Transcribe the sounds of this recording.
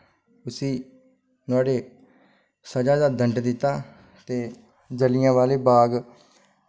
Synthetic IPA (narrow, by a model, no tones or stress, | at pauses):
ʊsĩː | nʊaːɖeː | səd͡ʒaːd̪aːd̪əɳɖd̪ɪt̪ːaː | t̪eː | d͡ʒəlɪjãːʋaːleːbaːɡ